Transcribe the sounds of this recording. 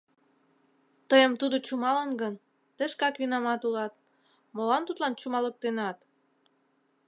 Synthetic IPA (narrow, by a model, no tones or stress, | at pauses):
t̪əjəmt̪ud̪ot͡ɕumɑlənɡən | t̪əʃkɑkβinɑmɑt̪ulɑt̪̚ | molɑnt̪ut̪lɑnt͡ɕumɑlək̚t̪enɑt̪